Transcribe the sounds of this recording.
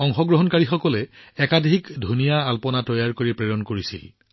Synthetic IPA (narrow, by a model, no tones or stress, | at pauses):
ɔŋxɔɡɹɔɦɔnkaɹixɔkɔlɛɛkadʱikdʱunijaalpɔnatɔjaɹkoɹipɹɛɹɔnkoɹisḭl